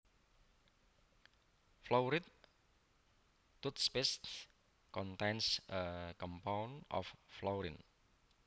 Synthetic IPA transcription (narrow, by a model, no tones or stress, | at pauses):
flowɾit̪̚ | ut̪̚spest | kɔnt̪ɛnsəkɔmpawnɔ̰fːlɔɾḭn